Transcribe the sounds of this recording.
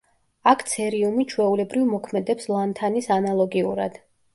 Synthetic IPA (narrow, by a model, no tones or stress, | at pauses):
akʰt̪sʰɛɾiumit͡ʃʰwɛulɛbɾivmɔkʰmɛd̪ɛpslˠant̪ʰanisanalˠɔɡiuɾa̰d̪̥